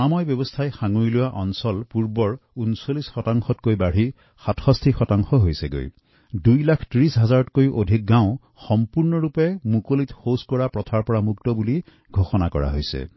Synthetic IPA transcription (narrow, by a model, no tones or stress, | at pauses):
amɔjbjɔbɔstʰajxaŋujlʊwaʔɔnsɔlpuɹbɔɹunsolisxɔtaŋxɔtkojbaɽ̤i | xatʰxɔstʰixɔtaŋxɔɦojsɛɡo̰j | dujlakʰtɹisɦazaɹɔtkojʔodʱik̚ɡãʊ̃ | xɔmpuɹnɔɹupɛmukolitxoskɔɹapɹɔtʰaɹpɔɹamuktɔbuli | ɡʱoxɔnakɔ̰ɹa̰ɦojsɛ̰